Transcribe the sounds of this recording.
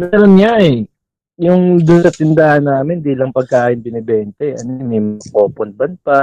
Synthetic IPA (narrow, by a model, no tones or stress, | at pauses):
mɛːɾonɲaʔɛ | jʊŋd̪ʊnsɐt̪ɪnd̪aːhɐnːaːmɪnd̪iːlɐŋpɐɡ̚kaːʔɪnbɪnɪbɛːnt̪ɐʔɐ̰nomɛmko̞ːponbɐnpa